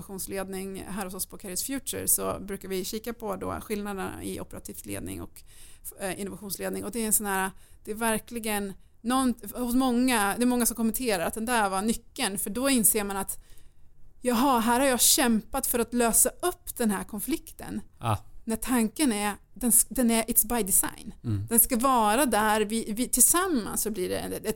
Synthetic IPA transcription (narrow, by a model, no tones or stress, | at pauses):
aɧuːnsleːd̪nɪŋɦæːɾhʊsɔspʰɔkʰɛɾsfjʉːə̰ɾsɔ̰bɾʉ̟ːkaɾvɪɕiːkapʰɔd̪ɔ̰ɧɪlnad̪əna̰ɪ̰ʔɔ̰pəɾat̪ʰiːflḛːd̪nɪ̰ŋɔ̰k | ɪnʊvaɧuːnsleːd̪nɪŋɔd̪ɛɛnsɔnhæːɾad̪̥ɛːɾvæɾklɪɡənː | ɔnhʊsmɔŋːad̪ɛɛɾmɔŋːasɔmkʰɔmɛnt̪ʰeːɾaɾat̪̚d̪ɛnd̪æɾvanʏkːənfœɖɔɪnseːɾmanat̪ | jɑɦɑɦæːɾhaɾjɑːɕɛmpat̪fœɾat̪løːsaɵpːd̪̥ɛnɦæːɾkʰɔnflɪkt̪ə̰nnæʈʰaŋkənæɾ | d̪ɛnsd̪ɛnæɾʔɪt̪sbajd̪ɪsa̰jnd̪̥ɛnskavɑːɾad̪æɾvɪvɪt̪ʰɪlsamːa̰nsːɔbliɖɛ̰ɛ